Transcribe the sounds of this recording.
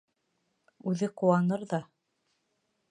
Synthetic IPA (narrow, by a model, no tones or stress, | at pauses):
ʉðɘqŭwɑnɤɾðɑ